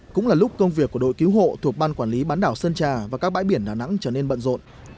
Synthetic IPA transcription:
kʊ̰˧˥ŋ͡mlaː˨˩lʊ˦˥k͡p̚kə˧wŋ͡mvi˨˩əkːu˧˩əɗo̰˧˨jki˨˦wɦo̰˧˨t̪ʰu˨˩ək̚ɓaː˧nkwaː˧˩nli˨˦ɓaː˨˦nɗaː˧˩wsə˧nt͡ɕaː˨˩vaː˨˩kaː˦˥k̚ɓaː˧˥jɓi˧˩ənɗaː˨˩na̰˧˥ŋt͡ɕəː˧˩ne˧nɓə̰˧˨nzo̰˧˨n

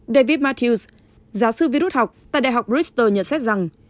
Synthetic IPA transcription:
ɗe˧vi˦˥t̚ma˧t̪ʰi˧s | zaː˨˦wsɨ˧vi˧ɾu˦˥t̚ha˨˩wk͡p̚t̪a̰ː˧˨jɗa̰˧˨˩ɦa˨˩wk͡p̚ɹi˦˥st̪əː˨˩ɲə̰˧˨nsɛ˦˥t̚za˨˩ŋ

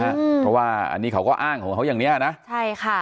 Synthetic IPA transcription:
ʔa˧˩˧ɔ˦˧˥waː˧˩a̰˧nːiː˦˥kʰa˧˩wkɔː˥˧˩ʔaː˧˥˩ŋkʰɔː˨˩˦ŋɦa˦˥wjaː˨˩ŋni˦˥ʔa˨˩na˦˥ʔt͡ɕʰa˥˩jkʰa˥˩

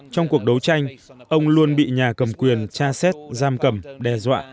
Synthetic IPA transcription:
t͡ɕɔ˧wŋ͡mku˨˩ək̚ɗə˨˦wt͡ɕa˧jŋ̟ʔə˧wŋ͡mlu˧ənɓḭ˧˨ɲaː˨˩kə˨˩mkwi˨˩ənt͡ɕaː˧sɛ˦˥t̚zaː˧mkə˨˧˩mɗɛ˧˩zwa̰ː˧˨ʔ

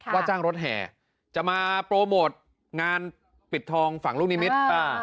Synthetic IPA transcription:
waː˥˩t͡ɕaː˥˩ŋɾo˦˥t̪̚ɦɛ̰ː˨˩˦ | t͡ɕa˨˩maː˧pɾoː˧moː˨˩t̪̚ | ŋaː˧n | pi˨˩t̪ʰːɔː˧ŋfa˨˩˦ŋluː˥˩k̚niː˦˥mi˦˥t̪̚a˧˩

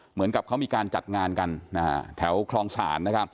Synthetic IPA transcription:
mɯ˩˦ənka˨˩p̚kʰa˦˥wmiː˧kaː˧nt͡ɕa̰˨˩t̪̚ŋaː˧nka˧nːaː˦˧˩t̪ʰɛː˩˦wkʰɾɔː˧ŋsa̰ː˩˦nːa˦˥kʰa˦˥p̚

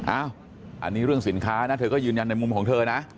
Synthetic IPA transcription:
ʔaː˧˥˩w | ʔa̰˧nːiː˦˥ɾɯ˥˩əŋsi˩˦nkʰaː˦˥na˦˥t̪ʰɤː˧kɔː˥˩jɯː˧nja˧nːa˧jmu˧mkʰɔː˩˦ŋt̪ʰɤː˧na˦˥ʔ

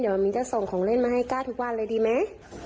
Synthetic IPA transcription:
diː˨˩˦wa˧˩miː˨˦t͡ɕa˧˩sɔː˨˩˦ŋkʰɔː˨˩˦ŋle˧˥˨nmaː˧ha˧˥˩jkaː˧˥˩t̪ʰu˧k̚wa˧˨nlaː˧˨diː˧ma˧˥˨

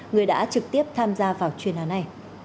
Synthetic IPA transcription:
ŋɨ˨˩əjɗa̰ː˧˥t͡ɕɨ˨˩k̚t̪i˦˥əp̚t̪ʰaː˧mzaː˧vaː˨˩wt͡ɕwi˨˩ənaː˨˦nːa˨˧j

